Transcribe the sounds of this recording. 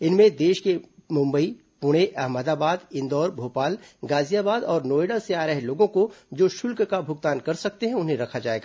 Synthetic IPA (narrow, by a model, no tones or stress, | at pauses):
ɪnmẽd̪eːʃkemʊ̃mbəi | pʊɽ̃eʔɐɦməd̪aːbaːd̪ɪ̃nd̪ɔːɾbʱoːpaːlɡaːzijaːbaːd̪ɔːɾnoːeːɖaseaːɾəɦeloːɡõkod͡ʒoːʃʊlkkabʱʊɡ̚t̪aːnkɐɾsɐk̚t̪eɦɛ̃ʊnɦẽɾɐkʰad͡ʒaːeːɡaː